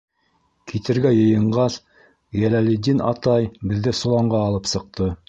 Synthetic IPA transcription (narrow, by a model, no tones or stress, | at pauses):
kʰit̪ɘ̆ɾɡæjɤ̆jɤ̆ɴɢɑs | jælælɘ̆d̪inɑt̪ɑjbɘ̆ðːɘsŏlˠɑɴɢɑːlˠɤpsɤ̆q̚t̪ɤ